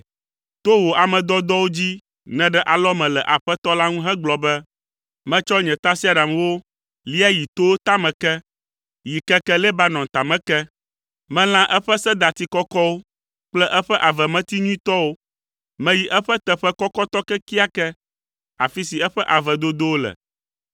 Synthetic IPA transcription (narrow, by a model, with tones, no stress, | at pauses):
t̪o˦wo˨a˨mɛ̃˨d̪ɔ˦d̪ɔ˦wo˦d͡ʑi˦ | nɛ̃˨ɖɛ˦ʔa˨lɔ˦mɛ̃˨lɛ˨ʔa˨ɸɛ˦t̪ɔ˦la˦ŋũ˦ɦɛ̃˦ɡ͡blɔ˨bɛ˦ | mɛ̃˦t͡ʃɔ˦ɲɛ̃˨t̪a˦si˦a˨ɖa˨mwo˦ | li˦a˦ji˨t̪o˦wo˦t̪a˦mɛ̃˨kɛ˦ | ji˨kɛ˦kɛ˦lɛ˦ba˦nɔ̃˨t̪a˨mɛ̃˦kɛ˦ | mɛ̃˦l̃ã˦ʔɛ˦ɸɛ˦sɛ˦d̪a˨t̪i˦kɔ˦kɔ˦wo˦ | k͡plɛ˦ʔɛ˦ɸɛ˦ʔa˨vɛ˨mɛ̃˦t̪i˦ɲũ˦i˦t̪ɔ˦wo˦ | mɛ̃˦ji˨ʔɛ˦ɸɛ˦t̪ɛ˨ɸɛ˦kɔ˦kɔ˦t̪ɔ˦kɛ˦ki˦a˦kɛ˦ | a˨fi˦si˨ɛ˦ɸɛ˦ʔa˨vɛ˨d̪o˦d̪o˦wo˦lɛ̰˨